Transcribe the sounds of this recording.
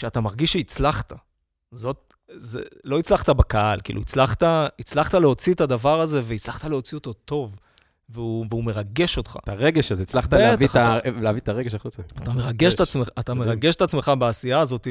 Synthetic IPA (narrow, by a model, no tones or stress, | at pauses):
ʃeat̪amaʁɡiʃːeit͡slaχt̪a | zo̞t̚ | zḛlo̞it͡slaχt̪abakaalkḭːluit͡slaχt̪ait͡slaχt̪ale̞o̞t͡sit̪ad̪avaʁaze̞veit͡slaχt̪ale̞o̞t͡sio̞t̪o̞t̪o̞v | veuveume̞ʁaɡe̞ʃo̞t̪χa̰taʁeɡeʃazit͡slaχt̪aleavialeavit̪aʁeɡeʃaχut͡saat̪ameʁaɡeʃt̪at͡smeat̪ameʁaɡe̞ʃet̪at͡sme̞χabeasijaːzo̞t̪i